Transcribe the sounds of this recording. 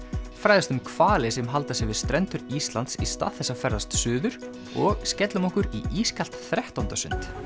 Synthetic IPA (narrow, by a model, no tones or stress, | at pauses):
fɾaːjðast̪ʏmkʰv̥aːlɪsɛmɦalt̪asɛvɪðst̪ɾɛnt̪ʏɾist̪lant̪sist̪a̰ːðθɛsːafɛɾðast̪sʏːðʏɾ̥ | ɔɣscɛt̪lʏmɔhkʏɾiiːskal̥t̪θɾɛht̪awnt̪asʏ̰nt̪